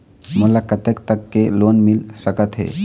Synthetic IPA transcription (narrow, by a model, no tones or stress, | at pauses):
molakət̪ekt̪əkːelonmilsəkət̪ɦḛ